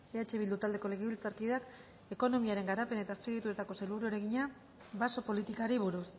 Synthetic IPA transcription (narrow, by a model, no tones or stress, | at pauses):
eat͡ʃe̞βild̪ut̪ald̪e̞ko̞le̞ɣiβilt͡saɾkiðak | e̞ko̞no̞miaɾe̞ŋɡaɾape̞ne̞t̪aspiɣet̪uet̪ako̞seluβɾuoɾeɣiɲa | βaso̞po̞lit̪ikaɾiβ̞uɾus